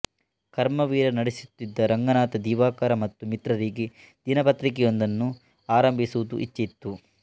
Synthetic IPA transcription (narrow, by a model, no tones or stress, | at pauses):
kɐɾmɐʋiːɾɐnɐɽesut̪ːid̪ːɐɾɐŋɡɐnaːt̪ɐd̪iːʋaːkɐɾɐmɐt̪ːumit̪ɾɐɾiːɡi | d̪̥inɐpɐt̪ɾik̬ɛjond̪ɐnːu | aːɾɐmbʱisuud̪ṵʔḭt͡ʃːɐit̪ːu